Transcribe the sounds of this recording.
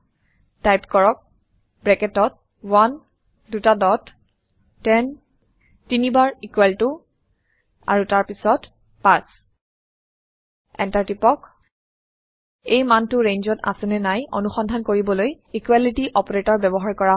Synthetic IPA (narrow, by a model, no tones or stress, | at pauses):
tajpkɔɹɔk̚ | bɹɛkɛtɔt̚ | wan | dutadɔtː | ɛn | tinibaɹikwɛltʊ | a̰ɹutaɹpisɔt | paɹs | ɛ̰ntaɹtipɔk | ejmantʊɹenzɔta̰sɛnɛnajo̰nuxɔndʱankoɹibɔloj | ikwalitiʔɔpɔɹetɔɹbɛbɔɦaɹkɔɹa